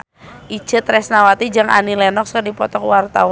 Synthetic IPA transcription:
ʔit͡ʃət̪ɾɛsnawat̪id͡ʒaŋa̰nilɛnɔkskərdipɔt̪ɔkwart̪aw

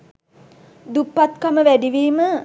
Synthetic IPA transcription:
d̪upːat̪kaməʋæɖiʋiːmə

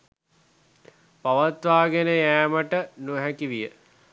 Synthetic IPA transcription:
paʋat̪ʋaːɡenəjæːməʈənuəɦækiʋijə

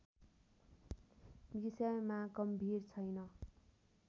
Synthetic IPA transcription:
misamaɡʌmbʱirt͡sʰʌjnʌ

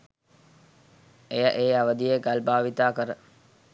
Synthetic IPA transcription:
ejəʔeːaʋəd̪ijeɡalbaːʋit̪aːkəɾə

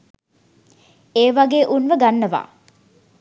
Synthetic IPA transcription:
eːʋaɡeːʔunʋəɡanːəʋa̰ː

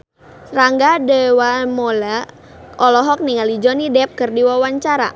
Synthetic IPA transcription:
raŋɡadɛwamɔla | ɔlɔɦɔk̚niŋalid͡ʒɔnidɛp̚kɨrdiwawaɲt͡ʃaɾa̰

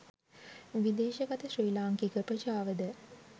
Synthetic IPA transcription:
ʋid̪eːʃəɡat̪əʃriːlaːŋkikəprət͡ʃaːʋəd̪ə

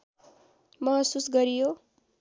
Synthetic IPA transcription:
mʌɦʌsusɡʌɾijo

